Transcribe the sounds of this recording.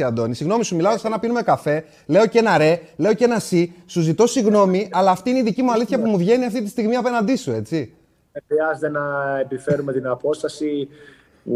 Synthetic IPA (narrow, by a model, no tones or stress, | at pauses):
iɐnd̪o̞nisiɣno̞misumilɐosɐnɐpinume̞kɐfe̞ | le̞oce̞nɐɾe̞le̞oce̞nɐsisuzit̪o̞siɣno̞miʔɐlɐːft̪iineiðicimuɐliθçɐpumuvʝe̞niɐft̪it̪ist̪iɣmiɐpe̞nɐnd̪isue̞t͡si | exɾiɐzet̪enɐepife̞ɾume̞t̪inɐpo̞st̪ɐsi